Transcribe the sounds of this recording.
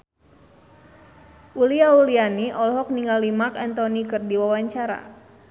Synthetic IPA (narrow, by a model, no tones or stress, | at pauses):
ʔuliaulianiʔɔlɔɦɔk̚niŋɡalimakant̪ɔnikɨrdiwawaɲt͡ʃaɾa̰